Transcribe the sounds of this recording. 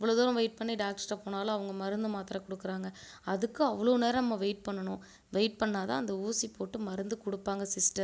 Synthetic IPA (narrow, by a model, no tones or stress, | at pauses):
ɪʋːɐɭoːðoːɾɐ̃ʋeɪʈ̚pɐɳːiɖaːk̚ʈsʈɐpoːnaːlɐ̃ɐʋɐŋɡɐmɐɾɯnd̪ɯmaːt̪ɪɾɐkʊɽɯkːɯɾaːŋɡɐ | ɐðɯkːɯ̃ɐʋːɐɭoːneːɾɐnɐmːɐʋeɪʈ̚pɐɳːɐnʊ̃ | ʋeɪʈ̚pɐɳːaːt̪ã̰ːɐnd̪ɐuːsipoːʈːɯmɐɾɯnd̪ɯkʊɽɯpːaːŋɡɐsɪsʈɐ